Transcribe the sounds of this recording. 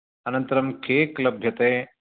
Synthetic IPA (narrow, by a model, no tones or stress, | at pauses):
ɐnɐ̃nt̪ɐɾɐmkʰeːklɐbʱjɐt̪eː